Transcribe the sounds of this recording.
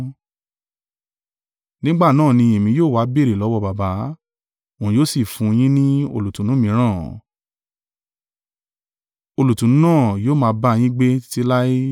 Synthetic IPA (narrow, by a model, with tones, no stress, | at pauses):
nĩ˦ɡ͡ba˦˨nãː˦˨nĩ˧e˨mĩ˧joː˦˨wa˨˦be˦˨ɾe˨lɔ˨˦wɔ˧˦ba˨ba˨˦ | õ˨joː˦si˦˨fũ˧j̃ĩ˦nĩ˦o̰˧lu˨tũ˨˦nũ˨˦mĩ˧˦ɾ̃ã̰˦˨ | o˧lu˨tũ˨nũ˨˦nãː˦˨joː˦˨mãː˧˦ba˦j̃ĩ˦ɡ͡be˦ti˦la˦i˦